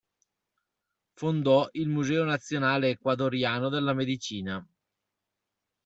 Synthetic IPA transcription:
fond̪ɔilmuzɛːonat̪sːjonaːleːkwad̪oɾjaːnod̪elːamed̪it͡ʃiːna

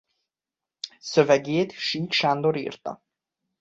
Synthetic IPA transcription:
søvɛɡeːt̪ʃiːk̪ʃand̪oɾḭːrt̪ɒ̰

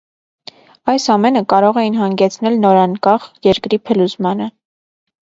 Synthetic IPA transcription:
ɑjsɑmɛnəkɑɾɔʁɛjinɦɑŋɡɛt͡sʰnɛlnɔɾɑŋkɑχjɛɾkɾipʰəluzmɑnə

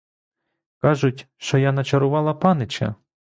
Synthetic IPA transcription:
kɑʒʊtʲʃt͡ʃɔjanɐt͡ʃɐɾʊʋɑlˠɐpɑnɪt͡ʃɐ̰

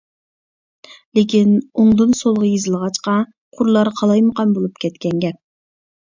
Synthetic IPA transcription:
lekʲinoŋd̪unsolˠʁɑjezɨlˠʁɑt͡ʃqɑ | qʰʊɾlˠɑɾqʰɑlˠɑjməqɑnbolˠup̚kʲʰɛt̪kʲɛŋɡʲɛp̚

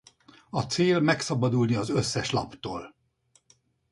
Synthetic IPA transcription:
ɒt̪seːlmɛksɒbɒd̪ulniɒzøsːɛʃlɒ̰pt̪oːl

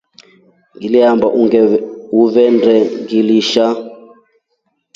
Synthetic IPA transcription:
ŋiliɦambaʔuɛuvɛndɛŋɡiliʃa

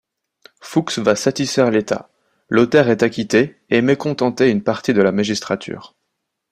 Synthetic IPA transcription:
fuksvasat̪isfɛʁlet̪a̰ | lot̪ɛʁɛt̪akʲit̪e | emekɔ̃t̪ɑ̃t̪eynpaʁt̪id̪əlamaʒist̪χat̪ʰy̰ːʁ

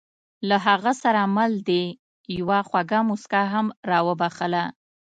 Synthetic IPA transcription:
laɦaɣasaɾamald̪e | jawaxwaɡamuskaɦamɾɑwəbaxəla

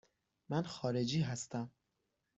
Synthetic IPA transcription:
mænxɒːɾed͡ʒiːɦæst̪æm

